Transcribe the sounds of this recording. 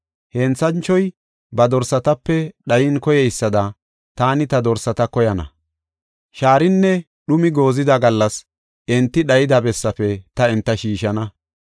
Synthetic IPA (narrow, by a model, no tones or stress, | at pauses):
hɛnt͡sɐnt͡ʃːɔj | bɐd̪ɔɾsɐt̪ɐpːɛɗɐjɪnkɔjɛjsːɐd̪ɐ | t̪aːnɪt̪ɐd̪ɔɾsɐt̪ɐkɔjɐnɐ̰ | ʃaːɾɪnːɛ | ɗʊmɪɡo̞ːzɪd̪ɐɡɐlːɐs | ɛnt̪ːɪɗɐjɪd̪ɐbɛsːɐfɛt̪ɐɛnt̪ːɐʃiːʃɐnɐ